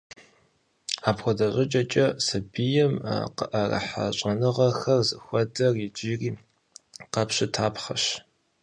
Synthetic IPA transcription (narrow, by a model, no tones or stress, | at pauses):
aːpxʷɔdɐɕʼɪt͡ʃʼɐt͡ʃʼɐsɨbijɛm̰qəʔɐrɐ̰ħa̰ɕʼɐnɨʁɐxɐrzɨxʷɔdɐrid͡ʒiːriː | qɐpɕɪtʰaːpχɐɕ